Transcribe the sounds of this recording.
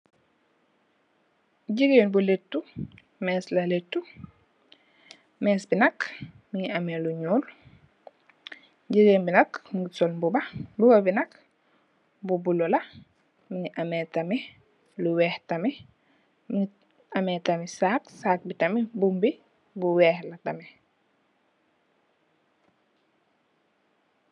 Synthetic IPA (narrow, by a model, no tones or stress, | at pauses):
ɟiɡeːnbuletːu | mɛːslɐletːu | mɛːsbinɐk | miŋiameluɲuːl | ɟiɡeːnbinɐkŋɡusɔlbubɐbuɡɐbinɐk | bubulɔlɐ | miŋiʔametami | luwɛːhtɐmi | mi | amɛːtamisaːksaːk̚bitɐmibumbi | buwɛːhlɐtɐmi